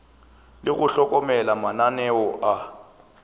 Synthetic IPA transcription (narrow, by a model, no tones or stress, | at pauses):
lɪɣʊɬɔkʼɔmɛlamananɛwɔʔa